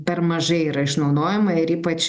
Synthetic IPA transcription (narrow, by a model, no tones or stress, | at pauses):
pʲɛrmɐʒɐɪiːɾɐɪʃnɐʊd̪oːjɛmɐɪɾiːpɐt͡ʃ